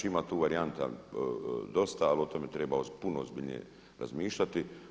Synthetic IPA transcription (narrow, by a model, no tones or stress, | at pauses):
imat̪uːʋaɾiant̪a̰ | d̪o̞st̪aːlo̞t̪omet̪ɾebaozpunoozbiʎʲɲḛ | ɾa̰zmiːʃʎat̪i